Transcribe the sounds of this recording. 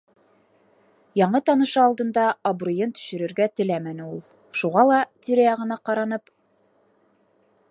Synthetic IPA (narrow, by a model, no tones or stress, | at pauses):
jɑɴɤt̪ɑnɤ̆ʃɑɑlˠd̪ɤ̆nd̪ɑɐbrujɤnt̪ɵ̥̆ʃɘ̆ɾɘ̆ɾɡæt̪ɘ̆læmænɘ̆ulˠ | ʃuʁɑlˠɑt̪ʲiɾejɑʁɤ̆nɑqɑɾɑnɤp